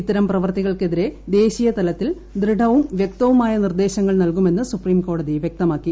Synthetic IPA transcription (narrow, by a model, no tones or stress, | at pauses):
it̪ːɐɾɐmprɐʋɐrt̪iɣɐɭke̞ðiɾe̞d̪e̞ːɕijɐt̪ɐlɐt̪ːil | d̪ɾɨɽɐʋumʋjek̚t̪ɐʋumaːjɐnird̪e̞ːɕɐŋːɐɭnɐlkume̞nːɐsupriːmko̞ːɽɐðijʋjek̚t̪ɐmaːkːi